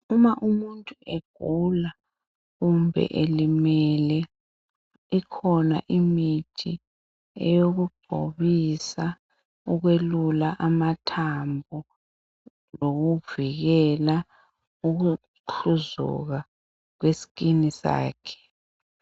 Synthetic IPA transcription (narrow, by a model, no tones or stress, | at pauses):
umaʔumuntʼueɡ̥̚ʱula | ɣumbʱɛ̰ʔelimɛlɛ | ikʰɔna̰ʔimitʰi | ɛ̰joɣuɡ͡ǃ̥ʱo̰βisa | uɣwelulaʔamatʰambʱɔ | loɣuviɣɛla | uɣu | uzṵɣa | k̬wesi̥kinisa̰ːkʰɛ̥